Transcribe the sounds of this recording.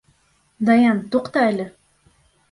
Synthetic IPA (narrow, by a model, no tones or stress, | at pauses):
d̪ɑjɑnt̪uqt̪ɑælʲɘ